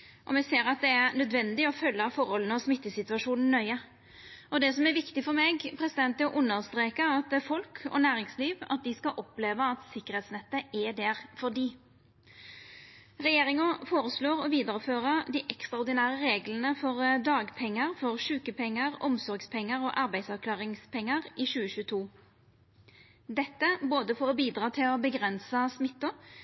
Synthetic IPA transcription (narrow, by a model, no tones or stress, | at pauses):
ʔɔ̰mɛɡseːɾɑt̪̚d̪ɛæʁnœd̪ʋɛnd̪ɪɔfœlːəfɔɾhɔlən̩ɔsmɪt̪ːəsɪt̪ʉɑʂuːnn̩nœʏə | ʔɔd̪ɛsɔmɛɾʋɪkt̪ɪfɔɾmɛɡpʰɾɛsɪd̪ɛnt̪əʔʊnːəɾst̪ɾeːkəɾɑt̪fɔlkʰɔ̰næːɾɪŋsliːʋɑ̰t̪̚d̪ɪskɑʔɔpleːʋəɑt̪sɪkːəɾhɛːt̪snɛt̪ːəʔɛd̪æɾfɔɾd̪iː | ʁɛjeːɾɪŋʊfoːʁəsloːʁɔʋiːd̪əʁəføːʁəd̪iːʔɛkst̪ʁɑʊɾd̪ɪnæːʁəʁeːɡlənəfɔʁd̪ɑːɡpʰɛŋːəʁfɔʁʃʉːkəpʰɛŋːəʁɔmsɔɾɡspʰɛŋːəʁoːʔɑɾbæɪsɑʋkʰlɑːʁɪŋspʰɛŋːəʁɪɕʉːəɕʉːət̪ʰuː | d̪ɛt̪ːəboːd̪əfɔʁɔbiːd̪ʁɑːt̪ʰɪlɔbəɡʁɛnsəsmɪt̪ːʊ